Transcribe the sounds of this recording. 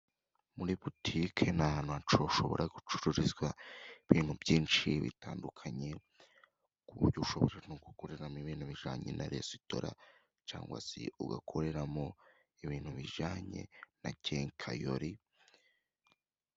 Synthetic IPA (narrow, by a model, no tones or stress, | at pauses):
muɾiputʰikʰenahaːnhuat͡ʃoʃo̞βo̞̰ɾʔaɡut͡ʃu̥ɾuɾizɡwaiβiːn̥hubɟiːnt͡ʃiβḭtaːndukʰaɲe̞ | kuɾɟoʃo̞βo̰ɾan̥uɡukoɾe̞ɾamiβiːnhuβiʒaːɲḛnʔaɾesi̥to̰ɾa̰ | t͡ʃa̰ːŋɡwa̰sḭʔuɡa̰kʰo̞ɾe̞ɾamo̞ | iβiːn̥huβiʒaːɲe̞̰naceːŋkʰajo̰ɾi